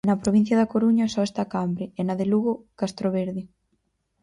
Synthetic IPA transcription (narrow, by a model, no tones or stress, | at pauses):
nɐpɾoβin̟θjaðakoɾuɲɐsɔest̪akambɾɪenaðeluɣokast̪ɾoβ̞eɾði